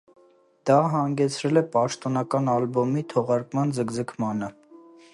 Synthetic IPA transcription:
d̪̥ɑɦɑŋɡɛt͡sʰɾɛlɛpɑʃt̪ɔnɑkɑnɑlbɔmit̪ʰɔʁɑɾkmɑnzəkzəkʰmɑnə

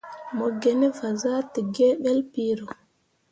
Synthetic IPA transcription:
mɔɡɛnɛfazaːtiɡɛːɓɛlpiːɾɔ

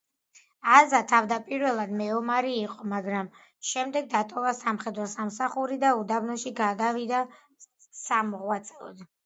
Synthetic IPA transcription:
azat̪ʰavd̪apʼiɾvɛlˠad̪mɛɔmaɾiːqʼɔmaɡɾam | ʃɛmd̪ɛɡ̚d̪at̪ʼɔvasamχɛd̪ɾɔsamsaχuɾid̪aud̪abnɔʃiɡad̪avid̪a | samɔʁwat̪sʼɛɔ̰d̪

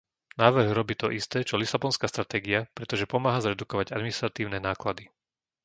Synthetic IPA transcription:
naːʋr̩ɣɾɔbiːt̪ɔ̰ʔist̪ɛːt͡ʃɔlisabɔnskaːst̪ɾat̪ɛːɡiapɾɛt̪ɔʒɛpɔmaːɦazɾɛd̪ukɔʋaɟad̪minist̪ɾat̪iːʊnɛnaːklad̪i

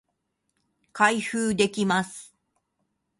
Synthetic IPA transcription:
kaihɯːd̪e̞kʲimasɨ̥

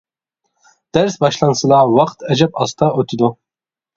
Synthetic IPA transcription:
d̪̥æɾsbɑʃlˠɑnsɨlˠɑwɑqt̪ʰɛd͡ʒɛpɑst̪ʰɑøt̪ʰɪd̪u

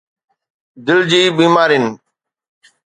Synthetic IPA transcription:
d̪ɪld͡ʑiːɓiːmaːɾɪn

